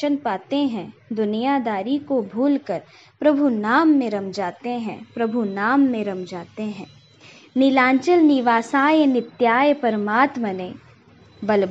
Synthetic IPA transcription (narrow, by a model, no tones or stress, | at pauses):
ənpaːt̪eɦɛ̃d̪ʊnijad̪aːɾikobʱuːlkəɾ | pɾɐbʱunaːmːẽɾɐmd͡ʒaːt̪eɦɛ̰̃pɾɐbʱunaːmːẽɾɐmd͡ʒaːt̪eɦɛ̃ː | nɪlãːɲt͡ʃəlnɪʋaːsaːjnɪt̪jaːjpɐɾəmaːt̪məne | bɐl